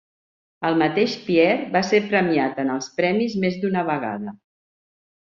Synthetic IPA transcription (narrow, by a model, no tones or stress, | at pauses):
əlˠmət̪eʃpiɛrbasepɾəmiat̪ənəlˠspɾɛmizmezd̪unəβəɣa̰ðə